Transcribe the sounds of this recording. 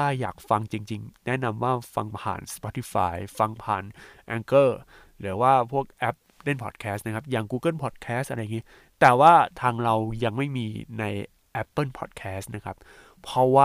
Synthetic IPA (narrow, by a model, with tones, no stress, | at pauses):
aː˥˩ja̰ː˨˩k̚fa˧ŋt͡ɕi˧ŋt͡ɕi˧ŋnɛ˦˥na˧mwaː˥˩fa̰˧ŋpʰa̰ː˨˩nspɔ˦˥t̪ʰːi˦˥fa̰ː˧jfa˧ŋpʰa̰ː˨˩nʔɛ˧ŋkɤː˥˩ | ɾɯː˩˦waː˥˩pʰu˥˩ək̚ʔɛ˦˥p̚ɾe˥˩npʰɔ̰˨˩t̪̚kʰɛː˦˥st̚na˦˥kʰa˦˥p̚jaː˨˩ŋkuː˧kɤ˥˩npʰɔː˨˩t̪̚kʰɛː˦˥stʔa˧ɾa˧jŋi˦˥ | t̪ɛː˨˩waː˥˩t̪ʰaː˧ŋɾa˧wja˧ŋma˥˩jmiː˧na˧j | ʔɛ˦˥pːɤː˥˩npʰɔ̰˨˩t̪̚kʰɛː˦˥st̪̚na˦˥kʰa˦˥p̚ʰː | ɾɔ˦˥waː˥˩